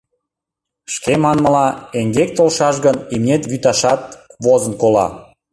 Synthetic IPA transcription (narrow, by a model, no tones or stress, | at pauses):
ʃkemɑnmə̆lɑeŋɡek̚t̪olʃɑʃ̬ɣənimnʲet̪βyt̪ɑʃɑt̪̚βozənkolɑ̰